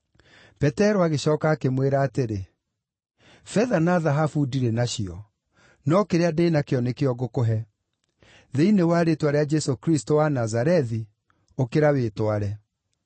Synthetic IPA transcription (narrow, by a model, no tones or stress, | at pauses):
pɛtɛɾoaɣeɕɔːkaːkemweɾaːteɾe | fɛðanaːðaɦafudiɾɛnaɕiɔ | nɔkeɾeadeːnakeɔnekeɔɣokoɦɛ | ðeinewaɾetwaɾɛad͡ʒɛsokɾistowanazaɾɛði | okeɾawetwaɾɛ